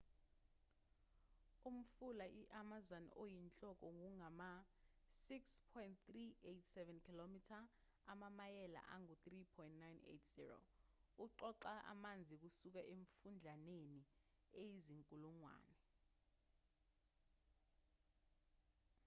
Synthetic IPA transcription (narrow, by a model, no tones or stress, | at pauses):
um̩fulaʔiʔamazanɔ̰ʔojint͡ɬʼɔk̬ɔŋuŋama | sikspʰɔintt̪rietʰsɛvɛnkʰilomitʰa | amamajɛla̰ʔaŋutripʰɔjntnajnḛtʰz̥ḭro̰uǃɔǃaʔa̰mand͡zʱik̬usuk̬aʔeɱfund͡ɮʱaneni | ejiziŋkʼuluŋwa̰ːnɛ